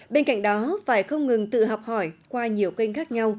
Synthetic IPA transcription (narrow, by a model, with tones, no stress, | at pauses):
ɓe˧nka̰˧˨jŋ̟̚ɗɔ˨˦faː˧˩jxə˧wŋ͡mŋɨ˨˩ŋt̪ɨ̰˧˨ɦɔ˨˩k͡p̚hɔ˧˩jkwaː˧ɲi˨˩əwkə˧ŋ̟xaː˦˥k̚ɲa˧w